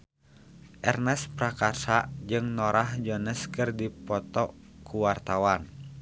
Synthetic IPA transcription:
ʔɛrnɛspɾakarsad͡ʒɨŋnɔɾʔahd͡ʒɔnɛskɨrdipɔt̪ɔ | kuwart̪awan

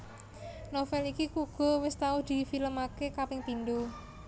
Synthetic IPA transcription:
nofɛlikikuɡ̥ɔ̤wɪst̪aud̪̥i̤filəmakekapɪŋpind̪o

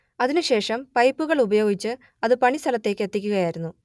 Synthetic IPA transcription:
ɐðinɨɕe̞ːʂɐmpɐjpːuɣɐɭubɐjo̞ːɡit͡ɕːɨ | ɐðɨpɐɳist̪ʰɐlɐt̪ːe̞ːkʲːet̪ːikʲːuɣɐjaːjiɾunːu

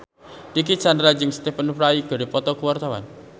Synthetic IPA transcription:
dik̬it͡ʃandɾad͡ʒəŋst̪efənfɾaiɡ̥ɔ̤ɾipɔt̪ɔkuwart̪awa̰n

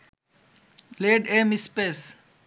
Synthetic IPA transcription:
leːɖeːmispeːs

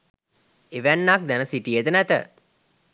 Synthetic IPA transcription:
eʋænːak̚d̪ænəsiʈijet̪ənæt̪ə̰

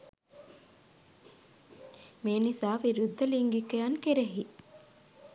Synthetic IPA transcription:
meːnisaːʋiɾud̪ʱːɐliŋɡikejankeɾeɦi

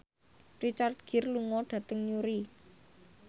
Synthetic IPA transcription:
rit͡ʃart̪̚ɡ̥ɪ̤rluŋɔɖ̥ä̤t̪əŋɲuɾi

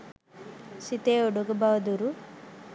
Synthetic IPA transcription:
sit̪eoɖuɡɐbaʋɐd̪uɾu

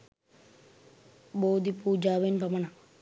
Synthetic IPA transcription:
boːd̪ipuːd͡ʒaːʋenpɐmɐɳa

